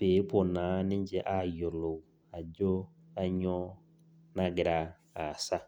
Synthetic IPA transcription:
beː˨˦pʰʊ˨nãː˨˦nɪ̃˦ɲ˦d͡ʑɛ˦ʔa˦jʊ˨lo˨˦ | a˨d͡ʒo˦ | a˦ɲɔ˦ | nã˦ɡɪ˨ɾa˦˨ | a˨sa˦

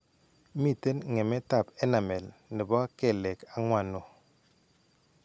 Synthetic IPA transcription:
mi˦˨te˦nŋɛ˨me˦ta˦˨pɛ˦na˨mɛ˨lnɪ˨bɔ˦ke˦˨le˨ka˨ŋwa˨no˨

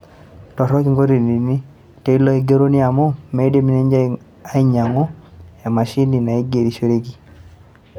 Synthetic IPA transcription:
tɔ˨ɾɔ˦ki˨ŋɡo˦ɾi˨ni˨ni˦ | te˦i˦lɔ˦e˦ɡe˦ɾo˦nɪ˦a˨mɔ˦me˨˦de˦mi˦ne˦ɲd͡ʒa˦ | a˦i˦ɲa˨ŋɔ˦a˨ma˨ʃi˦ni˨na˨e˦ɡe˨ɾi˨ʃe˦ɾe˦ɡi˨

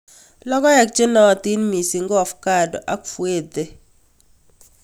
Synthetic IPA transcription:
lɔ˦kɔ˦jɛ˨k̚t͡ʃe˦nɔ˨ti˦nmi˨si˨ŋɡɔ˨fka˦˨dɔ˨ʔa˦kfwe˦˨de˨

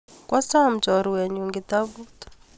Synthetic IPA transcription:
kwa˦sa˦˨m̩t͡ʃɔ˨ɾu˨wɛ˨ɲu˨ŋɡit̪a˦βu˦t

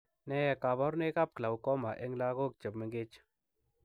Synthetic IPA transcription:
nɛ˦jɛ˨ka˨βɔ˦ɾne˦ka˦p̚kla˨wkɔ˦ma˨ʔe˦ŋla˦ɣo˦k̚t͡ʃə˨bmɪ˦ŋɡe˦t͡ʃ

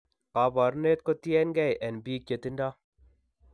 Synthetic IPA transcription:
ka˨ba˨ɾne˦t̪̚ko˦t̪i˦ɛ˦nɡɛ˦jʔɛ˨nbiː˦k̚je˨t̪i˦nda˦

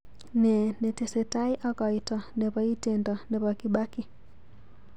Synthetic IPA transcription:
nɛ˨nɛ˨tɛ˨sɛta˦i˦ʔa˦kɔ˨itɔ˨nɛ˨βa˦i˦tɛndɔ˨nɛ˨βa˨kiɓa˦ki˨

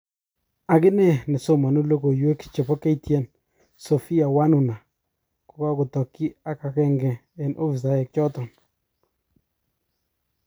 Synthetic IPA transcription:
a˨kɪ˦nɛ˦nɪ˨so˦ma˨no˦lo˦ɡo˨jwe˦kt͡ʃɛ˨pɔ˦ke˦i˦tjɛ˦˨n | sɔ˨fi˦a˨wa˦nʊ˨na˨ | kʊ˨ka˦kʊ˨tɔ˨kːi˦a˦ka˨kɛ˦ŋɡɛ˨ | ɛ˨nʔo˦fi˨s̬a˨jɛ˨k̚t͡ʃɔ˦tɔ˨n

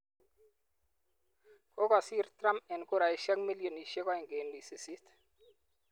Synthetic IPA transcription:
ko˦kɔ˨si˦ɾt̪ɾa˦mɛ˨nko˦ɾa˨e˨˦ʃa˦kmi˦lijo˨ni˨ʃe˦kɔ˦ɪ˨ŋɡe˨˦ndi˨si˨si˦t̪

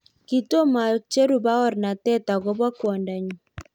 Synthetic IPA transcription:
ki˨to˦ma˨t͡ʃe˦ɾu˨ba˦ɔ˦ɾna˨tɛ˦ta˨ɡo˦ba˦kwɔ˨nda˨ɲ˨

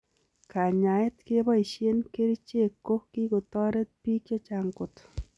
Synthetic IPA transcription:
ka˨ɲa˨ɪ˦t̪ke˦bɔ˦i˨ʃe˦nke˦ɾi˦t͡ʃe˦˨kːo˦ki˦ko˨t̪ɔ˦ɾe˦t̪̚pi˦kjɔ˦t͡ʃa˨ŋkʊ˨t̪

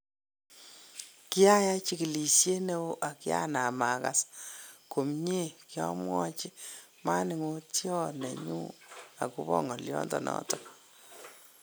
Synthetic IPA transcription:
kɪ˦a˦ja˦t͡ʃi˦ki˨li˨ʃje˦ne˦wo˦ʔa˨kɪ˦a̰˦na˨ma˨ka̰˨sko˨mɲe˦˨kjɔ˦mwɔ˦t͡ʃi˦ | ma˦nɪ˨ŋo˦tjɔ˦nɛ˨ɲṵ˦a˨ku˦βɔ˦ŋɔ˨ljɔ˦ndɔ˨nɔ̰tɔ˨

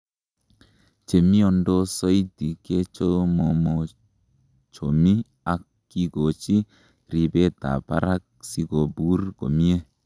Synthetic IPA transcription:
t͡ʃe˨mi˦ɔ˨ndɔ˦sɔ˦jdi˨ke˦t͡ʃo˦mɔ˨mɔ˨ | t͡ʃo˨mi˦ | a˨kːi˦ɡo˨t͡ʃi˦ | ɾi˨bɛ˦t̪a̰˨pa̰˦ɾa˦k̚si˧ɡo˨bu˦rɡo̰˨mi˦e˦

